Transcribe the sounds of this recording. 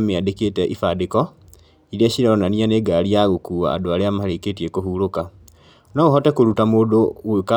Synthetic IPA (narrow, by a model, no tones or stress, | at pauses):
miadeketeʔifadiko | ilieɕiɾalonanianeɡaliaɣukua̰ːdoaleamahaleketiekohuloka | nauɦotekulutamudoweka